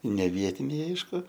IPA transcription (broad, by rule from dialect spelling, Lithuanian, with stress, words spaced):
nʲɛ ˈʋʲiɛtʲɪnʲɛɪ ˈɐɪʃkʊ